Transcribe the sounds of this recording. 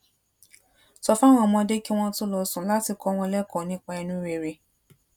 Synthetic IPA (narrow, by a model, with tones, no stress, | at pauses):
sɔ˧fã˦w̃ɔ̃˦˨mɔ̃˧de˦ki˦w̃ɔ̃˦tu˦lɔ˧sũ˨˦la˦ti˧kɔ˧w̃ɔ̃˧lɛ˦kɔ˨nĩ˦k͡pa˧ɛ˧nũ˦ɾe˧˨ɾe˧